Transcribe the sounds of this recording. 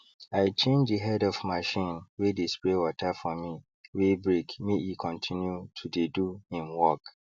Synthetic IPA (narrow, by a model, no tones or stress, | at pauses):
aɪt͡ʃʰẽnd͡ʒdiɦɛdɔvmaʃĩnwedesplewɔtʰafɔmĩ | webɹekmiʔikʰɔ̃ntʰĩnjutʰudeduhĩmwɔk